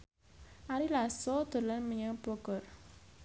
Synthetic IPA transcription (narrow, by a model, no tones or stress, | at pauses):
ʔaɾilasɔd̪̥o̤lənməɲəŋbɔɡ̥ɔ̤r